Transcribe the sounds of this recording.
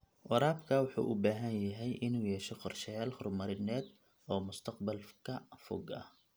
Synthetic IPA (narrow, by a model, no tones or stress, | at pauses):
wɑɾaːbkʰɐːwɑħṵːʔʊbaːɦɐnjɐɦɛjʔɪnuːjɛːʃɛqɔrʃɛjaːlhʊrmɐɾɪnɛːd̪ | ɔːmʊst̪ʰɐqbɐlkʰɐfʊ̰ɡɐ̰h